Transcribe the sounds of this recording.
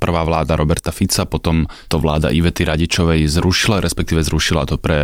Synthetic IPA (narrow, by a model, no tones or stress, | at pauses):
pr̩ʋaːʋlaːd̪aɾʔɔbɛɾt̪afit͡sapɔt̪ɔmt̪ɔʋlaːd̪a̰ʔiʋɛt̪iɾaɟit͡ʃɔʋɛjzɾuʃilaɾʔɛspɛk̚t̪iːʋɛzɾuʃilat̪ɔpɾɛ